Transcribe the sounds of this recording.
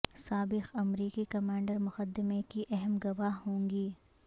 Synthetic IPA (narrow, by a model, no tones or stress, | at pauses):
saːbɪxɐmɾiːkikɐmãːɳɖəɾmʊxəd̪ːɪmekiʔɛɦɛmɡɐʋaɦõːŋɡiː